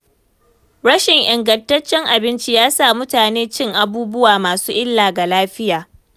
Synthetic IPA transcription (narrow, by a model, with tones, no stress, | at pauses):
ɽɐ˦ʃɪ˨ŋʔɪ˨ŋɡɐ˨ntɐ˦t͡ʃːɛ˦ŋʔa˨bɪ˦nt͡ʃi˦jaː˦sa˦˨mʊ˦taː˨neː˦t͡ʃɪ˦ŋʔa˨buː˦bʊ˦waː˨maː˨suː˦ʔɪ˦lːaː˨ɡa˨laː˦ɸɪ˦jaː˨